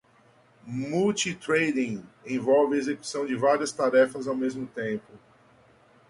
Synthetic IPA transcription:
muwt͡ʃit̪ɾejd̪ĩẽvɔwvɪezeku̥sɐ̃w̃d͡ʒɪvaɾiɐst̪aɾɛfɐzawmezmʊt̪ẽmpʊ

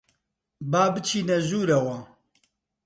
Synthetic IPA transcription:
baːbɨt͡ʃʰiːnɛʒuːɾɐwɐ

